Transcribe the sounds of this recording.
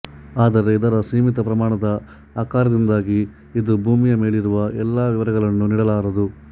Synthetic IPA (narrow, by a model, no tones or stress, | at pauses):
aːd̪ɐɾe̞id̪ɐɾɐsiːmit̪ɐpɾɐmaːɳɐd̪ɐ | aːkaːɾɐd̪ind̪aːɡiː | d̪ubʱuːmijɐmeːɭiɾuʋɐʔɛlːaːʋiʋɐɾɐɣɐɭɐnːuniːɽɐlaːɾɐd̪u